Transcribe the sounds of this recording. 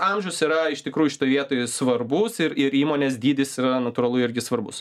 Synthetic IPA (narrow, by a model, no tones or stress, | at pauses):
ɑmʲʒʲɛʊsiɾɐɪʃʲt̪ʲɪkɾuːjʊʃʲɪ̥t̪oːjʋʲiɛt̪oːjsʋɐrbʊsɪɾɪɾiːmoːnʲeːsd̪ʲiːd̪ʲɪsɪɾɐnɐt̪uɾɐlˠʊɪɾʲɡʲɪsʋɐrbʊs